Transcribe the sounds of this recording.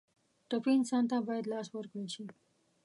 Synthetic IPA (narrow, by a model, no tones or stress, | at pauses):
ʈopiɪnsɑnt̪abɑjad̪lɑswəɾkɽeʃi